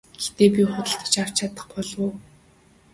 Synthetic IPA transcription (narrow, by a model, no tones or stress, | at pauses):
ɡ̥ext̪eːpʲiχʊt̪ə̆ɬt̪̆t͡ɕʰar̥t͡ɕʰat̪ə̆χpɔɮʊː